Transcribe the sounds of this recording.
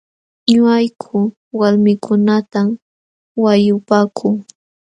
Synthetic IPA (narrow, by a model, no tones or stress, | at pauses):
ɲʊajkʰʊ | walmɪkʰʊnat̪a | wajʊpaːkʰʊŋ